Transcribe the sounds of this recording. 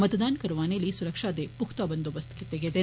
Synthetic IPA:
mɐt̪ɐd̪aːnkɐɾuʋaːnelːisuɾɐkʂaːd̪epukt̪aːbɐnd̪obɐst̪ɐket̪eɡed̪e

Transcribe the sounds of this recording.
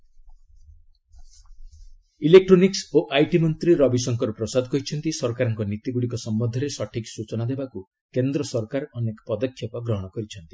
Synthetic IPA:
ilek̚ʈɾoniksoʔajʈimɔnt̪ɾiɾɔbisɔŋkɔɾupɾɔsad̪ʱɔkɔɦit͡ʃʰɔnt̪isɔɾkaɾɔŋkɔnit̪iɡuɽikɔsɔmbɔd̪ʱɔɾesɔʈʰiksut͡ʃɔnad̪ebaku | kend̪ɾɔsɔɾkaɾɔnekɔ̥pɔd̪ɔkʰjɔpɔɡɾɔɦɔɽ̃ɔkɔɾit͡ʃʰɔnt̪i̥

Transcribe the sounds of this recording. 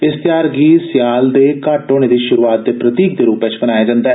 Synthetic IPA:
ɪst̪ɪjaːɾɡiːsɪjaːld̪eːkaːʈːoːɽ̃eːd̪iːʃʊɾuːaːt̪̚d̪eːpɾət̪iːk̚d̪eːɾuːpet͡ʃbənaːjaːd͡ʒãːnd̪aː

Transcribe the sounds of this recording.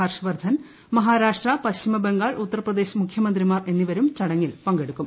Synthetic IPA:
aːrʂɐʋɐrd̪ʱɐn | mɐɦaːɾaːʂʈrɐpɐɕt͡ɕimɐbeŋɡaːɭut̪ːɐrɐprɐd̪eːɕɐmukʰjɐmɐnd̪rimaːre̞nːiʋɐɾumt͡ɕɐɽɐŋːilpɐŋɡeɽukːum

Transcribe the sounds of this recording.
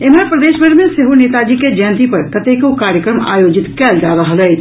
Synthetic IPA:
eməɾpɾəd̪eːʃbʱəɾmẽseɦonet̪ad͡ʒiked͡ʒəj̃nt̪ipəɾkət̪ekukaɾjəkɾəma̰jod͡ʒɪt̪kɛld͡ʒaɾəɦəlɛː

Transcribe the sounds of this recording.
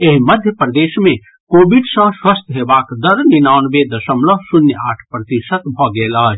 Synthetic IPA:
eɦiməd̪ʱjəpɾd̪esmẽ | kobiɖsə̃swəst̪ɦebakd̪əɾninaʊnbed̪əsəmlɔɦsunjəa̰ʈʰpɾət̪isət̪bʱɔɡelə

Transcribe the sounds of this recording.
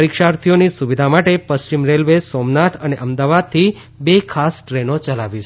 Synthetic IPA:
ɾikʃaɾt̪ʰijonisuʋid̪ʱamaʈepəst͡ʃimɾelʋesɔmnat̪ʰəneʔəmd̪aʋad̪̚t̪ʰi | bekʰasʈɾenot͡ʃəlaʋit͡ʃʰ

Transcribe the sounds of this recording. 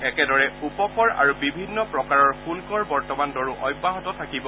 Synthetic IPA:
ɛkɛdɔɹɛupɔkɔɹa̰ɹubibʱinːɔpɹɔkaɹɔɹxunkɔɹbɔɹtɔmandɔɹuʔɔjbːaɦɔtɔt̪ʰakibɔ

